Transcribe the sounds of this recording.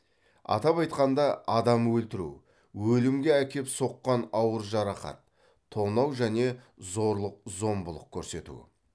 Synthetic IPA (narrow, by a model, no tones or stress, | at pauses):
ɑ̰t̪ɑpɑjt̪qɑnd̪ɑʔɑd̪ɑmwɵlt̪ɪɾṵ | wɵlɪmɡʲe̞ækʲe̞pso̞qːɑnɑwəɾʒɑɾɑqɑ̰t̪ʰː | o̞nɑwʒæne̞zo̞ɾlˠəq̚zo̞mbʊlˠəq̚kʲʰɵɾse̞t̪ṵɪ